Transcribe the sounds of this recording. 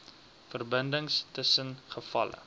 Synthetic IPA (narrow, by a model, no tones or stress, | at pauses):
fərbəndəŋstəsənχəfɐ̰lə̰